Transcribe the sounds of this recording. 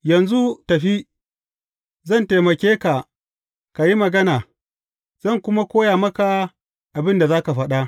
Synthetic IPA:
jɐ˨nzu˦tɐ˨ɸi˦ | zɐ˦˨nte˨mɐ˨kʲeː˦ka˨ | ka˨ji˦mɐ˨ɡɐ˦naː˨ | z̥ɐ˦˨ŋkʷʊ˦ma˦kʷoː˦jaː˨mɐ˦ka˨ | ʔa˨bɪ˦nda˨zaː˦ka˨ɸɐ˦ɗa˦

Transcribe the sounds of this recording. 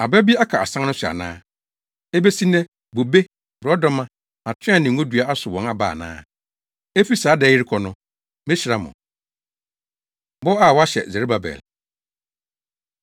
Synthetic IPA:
a˨ba˦bi˦a˦kʰa˨a˨sã˦ŋnʊ̃˦sʊ˨a̰˨nã̰ː˦ | e˦be˦si˦nɛ̃˦ | bo˨be˦ | bɔ˦dɔ˦mã˦ | a˨tʰɪ̃˦ã˦˨nɪ̃˨ŋ˦õ˦dɥa˦a˦sʊ˨wɔ̃˨na˦ba̰ː˨nã̰ː˦ | e˦fi˦saː˨˦dɛ˨˦jɪ˦ɾɪ˦kʰɔ˨nʊ̃˦ | mɪ̃˦ɕɪ˨ɾa˦mʊ̰̃˨ | bɔ˦a˦˨wɔ˦a˦ɕɛ̰˨zɛ˨ɾe˦ba˨bɛ̰˨l

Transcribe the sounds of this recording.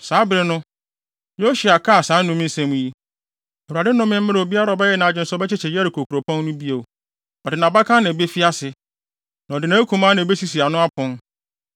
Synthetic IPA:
saː˨˦bɪ˦ɾɪ˦nʊ̃˦ | jo˦ɕu˨a˨kʰa˦˨sã˨˦nːʊ̃˦m˦n̩˦sɛ̃˦m̃˨ji˦ | e˨wɾu˨a˨dɪ˦nʊ̃˦mɪ̃˦m̩˦ɪ̃˦ɾɪ˨o˨bi˦a˦ɾa˨ɔ˨bɛ˦jɛ˦nã˨d͡ʑɪ̃˨n̩˨˦sɔ˦bɛ˦t͡ɕʰɪ˦t͡ɕʰɛ˨jɛ˦ɾɪ˨kʰo˨kʰu˨ɾo˨pʰɔ̃˦n˦nʊ̃˦bi˦e˨ | ɔ˨dɪ˨nã˨ba˦kʰã˦nã˨be˦fi˦a˦sɪ˨ | nã˨ɔ˨dɪ˨nã˦e˦kʰũ˨mã˦nã˨be˦si˦si˨a˨nʊ̃˦a˦pʰʊ̃˦n

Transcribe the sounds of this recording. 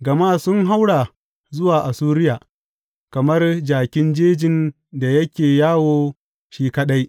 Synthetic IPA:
ɡɐ˨maː˦sʊ˦ŋɦa˦wɽaː˨ | zʊ˦waː˨ʔa˨suː˦ɾɪ˦jaː˨ | kɐ˨mɐ˦rd͡ʒaː˨kʲɪ˦nd͡ʒeː˦d͡ʒɪ˨n | da˨jɐ˦kʲeː˨jaː˦woː˦ | ʃiː˦kɐ˦ɗa˦j

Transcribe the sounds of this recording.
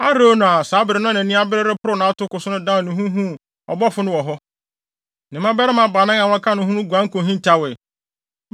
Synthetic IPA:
a˦ɾo˦nʊ̃˨a˨saː˨˦bɪ˨ɾɪ˨˦nʊ̃˦nɛ̃˨nĩ˦a˦bɪ˦ɾɪ˦ɾɪ˦pʰʊ˦ɾʊ˦nã˨a˦tʊ˦kʊ˨sʊ˦nʊ̃˦dã˦˨nʊ̃˨ɦũ˦ɦũ˦ | ɔ̰˨bɔ˦fʊ˦nʊ̃˦wɔ˨ɦɔ˦ | nɪ̃˨mã˦bɛ˦ɾɪ˦mã˨ba˨nã˦ŋã˨wɔ̃˦kʰã˦nʊ̃˨ɦũ˦nʊ̃˦ɡʷã˦ŋ̩˦kʰõ˨ɦĩ˦˨tʰa˦wɛ˨

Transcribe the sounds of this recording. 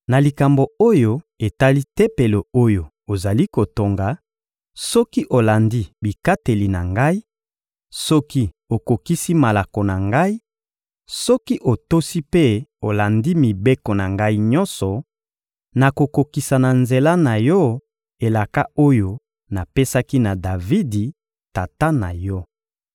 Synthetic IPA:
na˨li˨ka˨mbo˨o˦jo˦ | e˨ta˦li˦te˦pe˨lo˨o˦jo˨ | o˨za˨li˦ko˨to˨ŋɡa˨ | sɔ˦ki˦ʔo˨la˨ndi˦bi˨ka˦te˨li˨na̰˨ŋɡa˦i˦ | sɔ˦ki˦ | o˨ko˨ki˦si˦ma˨la˨ko˨na˨ŋɡa˦i˦ | sɔ˦ki˦ʔo˨to˦si˦pe˦o˨la˨ndi˦mi˨be˦kɔ˨na˨ŋɡa˦i˦ɲɔ̃˦nsɔ˨ | na˨ko˨ko˨ki˨sa˨na˨nze˨la˦na˨jɔ˦ | e˨la˨ka˦o˦jo˦ | na˨pe˦sa˦ki˦na˨da˨vi˦di˨ | ta˨ta˦na˨jɔ˦

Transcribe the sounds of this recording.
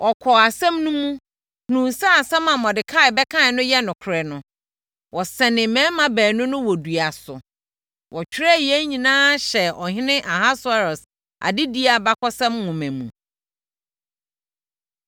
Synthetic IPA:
ʔɔ˨kʰɔ˨a˨sɛ̃˦mnʊ̃˦mũ˦ | hnũ˨sa˦a˨sɛ̃˦mã˨mɔ̃˨dɪ˨kʰa˦˨ɪ˨bɛ˦kʰã˦˨nʊ̃˦jɛ˦nʊ̃˨kʰʊ˨ɾɛ˨nʊ̃˨ | wɔ˨sɛ˨nɪ̃˨mɛ̃˦mã˨bæː˨nʊ̃˦nʊ̃˦wɔ˨du˨a˨sʊ˨ | wɔ˨t͡ɕᶣʰɾa˦jɛ˦ɲĩ˨nãː˦ɕɛ˨ɔ˨ɦɪ̃˦nɪ̃˦ʔa˨ɦa˦sʊ˦a˦ɾɔ˨s | a̰˨dɪ˦di˦a˨ba˦kʰɔ˦sɛ̃˦mhʊ̃˨mæ̃˨mṵ̃˨

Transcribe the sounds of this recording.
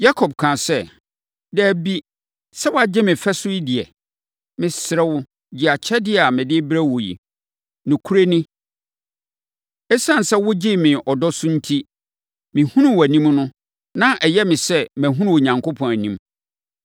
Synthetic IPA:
ja˦kʰɔ˨b̚kʰã˨sɛ˦ | dɛ˦˨bi˦ | sɛ˦wa˨d͡ʑɪ˦mɪ̃˨fɛ˦sʊ˦i˦dɪ˨ɛ˨ | mɪ̃˨sɪ˨ɾɛ˦wʊ˦ | d͡ʑi˨a˨t͡ɕʰɛ˦dɪ˦˨a˨mɪ̃˨dɪ˦bɾɛ˦wo˨jḭ˨ | nʊ̃˨kʰu˦ɾe˦nɪ̃˦ | ɛ˦sã˦n˨sɛ˦wʊ˦d͡ʑɪ˦mɪ̃˨ʔɔ˨dɔ˦sʊ˦n̩˦tʰi˦ | mɪ̃˨hũ˦nʊ̃˦wæ˨nĩ˦mnʊ̃˦ | nã˦ʔɛ˨jɛ˦mɪ̃˨sɛ˦mæ̃˨ɦũ˦nʊ̃˦˨o˨ɲã˨ŋkʰo˦pʰɔ̃˨næ˨nĩ˦m

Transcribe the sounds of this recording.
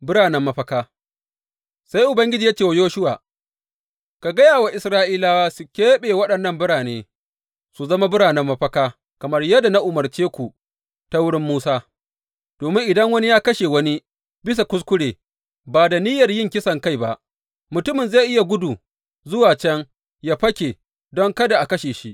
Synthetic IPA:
bʊ˦ɽaː˨nɛ˦mːɐ˦ɸɐ˦kaː˦ | sa˦jʔʊ˨bɐ˦ŋɡʲɪ˦d͡ʒiː˨ja˦t͡ʃeː˨wa˦joː˦ʃʊ˦wa̰ː˨ | ka˨ɡɐ˦jaː˨wa˨ʔɪ˨sɾaː˦ʔiː˦laː˦waː˦su˨kʲeː˦ɓeː˨wɐ˦ɗɐ˨nːɐ˦mbʊ˦ɽaː˨neː˦ | su˨zɐ˦ma˦bʊ˦ɽaː˨nɛ˦mːɐ˦ɸɐ˦kaː˦ | kɐ˨mɐ˦rjɐ˦da˨na˦ʔʊ˨mɐ˨rt͡ʃeː˦kʷu˨ | ta˦wʊ˦ɽɪ˦mːuː˦saː˦ | d̥oː˨mɪ˦ŋʔɪ˨dɐ˦ŋwɐ˦ni˦jaː˦kɐ˦ʃe˨wɐ˦ni˦ | bɪ˦s̬a˨kʷʊ˦s̬kʷʊ˦ɽeː˨ | baː˨da˨niː˦jɐ˨rjɪ˦˨ŋkʲɪ˦sɐ˨ŋka˦jba˦ʔ | mʊ˨tʊ˦mɪ˨nza˦˨jʔɪ˦ja˨ɡʷʊ˦du˨ | zʊ˦waː˨t͡ʃɛ˦ŋ | jaː˦ɸɐ˦kʲeː˨ | dɔ˦ŋkɐ˦da˨ʔa˨kɐ˦ʃeː˨ʃi˦ʔ

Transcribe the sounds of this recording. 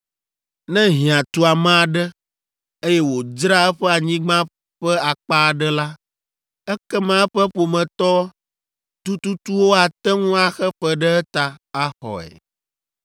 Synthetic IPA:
nɛ̃˦ɦĩ˨ã˨t̪u˦a˨mã˦a˨ɖɛ˦ | e˦jɛ˦wo˨d͡ʒɾa˦ɛ˦ɸɛ˦a˨ɲĩ˦ɡ͡bã˦ | ɸɛ˦a˨k͡pa˦˨ɖɛ˦la˦ | ɛ˦kɛ˦mã˦ɛ˦ɸɛ˦ɸo˨mɛ̃˨t̪ɔ˦ | t̪u˦t̪u˦t̪u˦wo˦a˨t̪ɛ˦ŋũ˦a˨xɛ˦ɸɛ˦ɖɛ˦ɛ˦t̪a˨a˦xɔ̰˨ɛ̰˨

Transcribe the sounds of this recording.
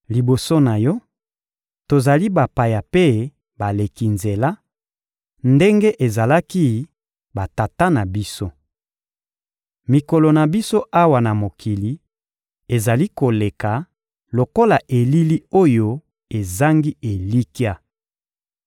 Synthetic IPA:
li˨bo˨so˦na˨jɔ˦ | to˨za˨li˦ba˨pa˨ja˨pe˦ | ba˨le˨ki˨nze˨la˦ | nde˦ŋɡe˦ʔe˨za˨la˦ki˦ | ba˨ta˨ta˦na˨bi˦so˦ | mi˨ko˨lo˨na˨bi˦so˦ʔa˦wa˨na˨mo˨kʰi˨li˨ | e˨za˨li˦ko˨le˨ka˨ | lo˨ko˦la˨ʔe˨li˦li˦o˦jo˦ | e˨za˦ŋɡi˦e˨li˦ki˦a˦

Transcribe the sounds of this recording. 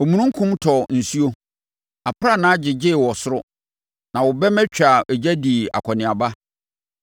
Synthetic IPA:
o˨mũ˨ũ˦ŋ̩˦kʰũ˦mtʰɔ˨n̩˨su˦o˦ | a˨pʰɾa˦˨nã˦d͡ʑɪ˨d͡ʑɪ˦˨wɔ˨sʊ˦ɾʊ˦ | nã˨wɔ˨bɛ˦mɛ˦t͡ɕᶣa˨ʔɛ˨d͡ʑæ˦di˨a̰˨kʷʰɔ˨nɪ̃˨a˨ba˦

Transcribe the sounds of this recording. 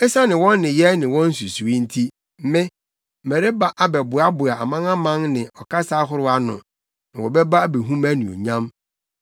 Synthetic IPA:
ɛ˦sa˦nɪ̃˨wɔ̃˦nːɪ̃˨jɛ˦nɪ̃˨wɔ̃˦n̩˦su˨su˨i˦n̩˦tʰi˦ | m̩˦mɪ̃˦˨ | mɛ˨ɾe˦ba˦ʔa˦bɛ˨bʊ˨a˦bʊ˨a˨a˨mã˦ŋã˦mã˦ŋnɪ̃˨ɔ˨kʰa˦sa˦ɦʊ˦ɾʊ˦a˨˦nʊ̰̃˨ | nɪ̃˨wɔ˨bɛ˦ba˦be˨ɦũ˦mæ˦nĩ˨o̰˨ɲã˦m

